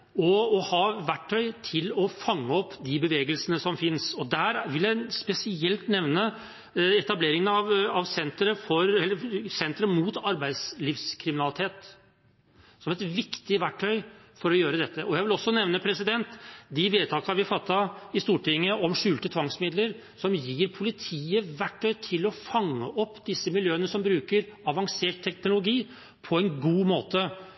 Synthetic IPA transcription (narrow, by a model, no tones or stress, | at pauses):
ɔɔhɑʋæʈʰːœʏt̪ʰɪlɔfɑŋːəɔpːd̪ɪbəʋeːɡəlsənəsɔmfɪnsɔd̪æɾʋɪljæɪspɛsɪɛlt̪nɛʋnə | ɛt̪ɑbleːɾɪŋənɑʋɑʋsɛnt̪ɾəfɔɾɛlːəsɛnt̪ɾəmuːt̪ɑɾbæɪd̪sliːfskʰɾɪmɪnɑlɪt̪ʰeːt̪ | sɔmɛt̪ʋɪkt̪ɪʋæʈʰːœʏfɔɾɔjøːɾəd̪ɛt̪ːəʔɔjæɪʋɪlɔsːɔnɛʋnəpʰɾɛsɪd̪ɛnt̪d̪ɪʋeːt̪ʰɑːkɑɾʋɪfɑt̪ːɑɪst̪uːʈʰɪŋːəʔɔmʂʉːlt̪ət̪ʰʋɑŋsmɪd̪ləɾ | sɔmjiːɾpʰʊlɪt̪ʰiːəʋæʈʰːœʏt̪ʰɪlɔfɑŋːəʔɔpːd̪ɪsːəmɪljøːənəsɔmbɾʉːkəɾɑʋɑŋseːʈ̚t̪ʰːɛknʊlʊɡiː | pʰɔɛnɡuːmoːt̪ə